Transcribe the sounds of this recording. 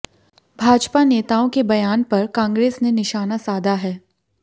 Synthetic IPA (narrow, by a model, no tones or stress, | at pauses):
bʱaːd͡ʒpaneːt̪aːõkebɐjaːnpɐɾkãːŋɡɾeːsnenɪʃaːnasaːd̪ʱaɦɛː